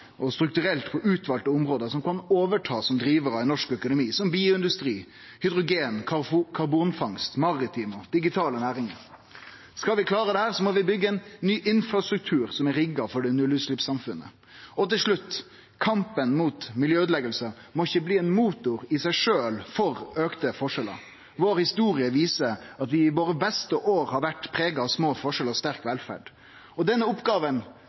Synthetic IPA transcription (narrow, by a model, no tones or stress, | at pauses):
ʔɔst̪ɾʉk̚t̪ʉɾɛlt̪pʰɔʔʉːt̪ʰʋɑːlt̪əʊmɾoːd̪əsɔmkɑnoːʋəʈʰɑːsɔmd̪ɾiːʋəɾɑʋænɔʂkœkʊnʊmiːsɔmbiːʊɪnd̪ʉst̪ɾiː | hʏd̪ɾʊɡeːnʰkʰɑɾbuːnfɑŋst̪mɑʁɪt̪ʰiːmɔd̪̥ɪɡɪt̪ʰɑːlənæːɾɪŋəɾ | skɑlʋɪkʰlɑːɾəd̪ɛhæːɾsɔmɔʋɪbʏɡːəɛnːyːʔɪnfɾɑst̪ɾʉk̚t̪ʰʉːɾsɔmɛɾɪɡɑfɔɖɛnʉlːʉslɪpsɑmfʉnːə̰ | ɔt̪ɪlʂɭʉt̪ː | kʰɑmpənmuːt̪mɪljøːʉd̪lɛɡəlsə | mɔɪçːəbliːɛnmuːt̪ʊɾɪsæɪʂøːlfɔɾøːkt̪əfɔʂɛlə̰ | ʋoːɾhɪst̪uːɾɪəʋiːsəɾɑt̪ʋɪɪʋoːɾəbɛst̪əʔoːɾhɑɾʋæʈːpʰɾeːɡɑɑʋsmoːfɔʂɛlɔst̪æɾkʋɛlfæ̰ɖ | ɔd̪ɛnːəʊpɡɑːʋən